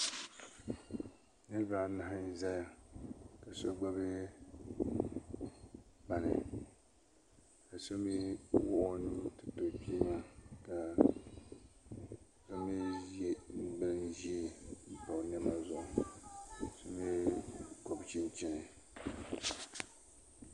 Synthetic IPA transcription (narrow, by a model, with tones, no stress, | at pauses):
nɨ˦lba˨na˦ɦɪ˦za˦ja˦ka˨so˦ɡ͡ba˦bɨ˦ | ba˦nɨ̰˨ | ka˨so˦mi˦wʊ˦ʔʊ˦nu˦tɨ˨to˨pi˦ma˦ka˨ | so˦mi˦je˦n̩˨bɨ˦ln˦ʒi˦e˦m̩˦po˨nɛ˦ma˦zʊ˨ʔʊ˨ | so˦mi˦ko˨bt͡ʃɪ˦nt͡ʃɪ˦nɨ˨